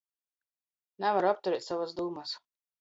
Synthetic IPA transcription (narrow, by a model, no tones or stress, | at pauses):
nɛvaɾuap̚t̪uɾɛːt̪savasd̪uːmas